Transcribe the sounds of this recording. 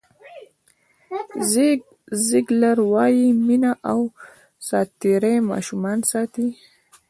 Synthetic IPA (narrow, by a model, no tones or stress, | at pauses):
z | ziɡlaɾwɑjiminaʔaw | sɑːt̪ːiɾemɑ̰ːʃumɑːnsɑːt̪i